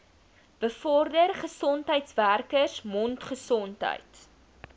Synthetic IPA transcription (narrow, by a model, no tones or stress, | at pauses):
b̥əfɔrdərχəsɔntɦəjtsværkəsmɔntχəsɔntɦə̰jt